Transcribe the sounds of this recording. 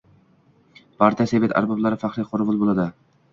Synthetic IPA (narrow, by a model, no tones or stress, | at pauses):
pʰaɾt̪ʰijasevet̪ʰa̰ɾbɑblˠaɾɪfaχɾiqʰʊɾvʊlˠbolˠad̪ɪ